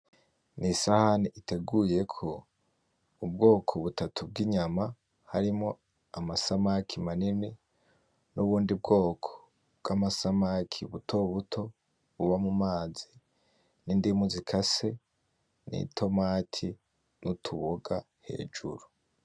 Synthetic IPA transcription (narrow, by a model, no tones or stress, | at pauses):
nisahaniʔite̞ɡuje̞kʰo̞ | ubɡo̞ːkʰo̞βutʰatʰub̚ɡiɲama | haɾimŋo̞ | amasamakʰimanine | nuβuːndibɡo̞ːkʰo̥ | bɡ̥amasamakʰiβutʰo̞βutʰo̞ | βuβamumaːzi | nindimuzikʰase̞ | nḭtʰo̞maːtʰi | nutʰuβoɡa | he̞̰ːd͡ʒṵɾu